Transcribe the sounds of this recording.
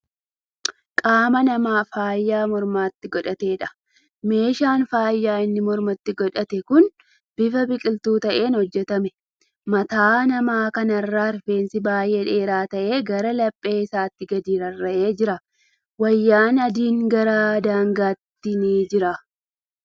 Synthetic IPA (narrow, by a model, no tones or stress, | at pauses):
kʼaːmɐnɐmaːfaːjːaːmɔɾmaːt̪ːɪɡɔᶑɐt̪e̞ːᶑɐ̥ | me̞ːʃaːnfaːjːaːɪnːɪmɔɾmɐt̪ːɪɡɔᶑɐt̪ɛkʊn | b̥ɪfɐbɪkʼɪlt̪uːt̪ɐʔe̞ːnhɔd͡ʒːɛt̪ɐmɛ | mɐt̪aːnɐmaːkɐnɐrːaːɾfe̞ːnsɪbaːjʔeːᶑe̞ːɾaːt̪ɐʔe̞ːɡɐɾɐlɐpʼːe̞ːɪsaːt̪ːɪɡɐd̪iːɾɐrːɐʔe̞ːd͡ʒɪɾɐ | wɐjːaːnɐd̪iːŋɡɐɾad̪aːŋɡaːt̪ːɪniːd͡ʒɪɾɐ